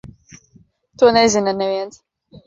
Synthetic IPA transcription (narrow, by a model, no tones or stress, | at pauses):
t̪uɔnezinɐneviɛns